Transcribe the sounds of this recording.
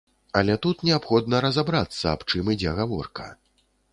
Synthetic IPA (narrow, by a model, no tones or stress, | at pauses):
ɐlʲɛt̪ut̪nʲɛapxɔd̪nɐɾɐzabɾat̪sːɐa̰pt͡ʂɨmid͡zʲɛɣavɔ̰rkɐ̰